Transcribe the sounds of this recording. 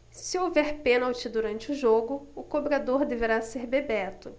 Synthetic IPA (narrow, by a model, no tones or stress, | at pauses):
sɪowvɛɾpẽnɐawt͡ʃid̪uɾɐ̃nt͡ʃɪʊʒoɡʊʊkobɾad̪oɾd̪eveɾaseɾbebɛt̪ʊ